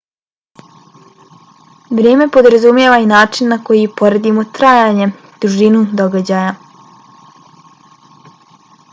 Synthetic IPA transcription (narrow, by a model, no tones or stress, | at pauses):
ʋɾeːme̞po̞d̪ɾazumje̞ʋainaːt͡ʂinːako̞jipo̞ɾed̪imo̞t̪ɾaːjaɲe̞ | d̪̥ɾuʒinud̪o̞ɡad͡ʑaːja